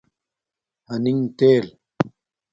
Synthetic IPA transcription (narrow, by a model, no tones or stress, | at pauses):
hɐniŋt̪eːl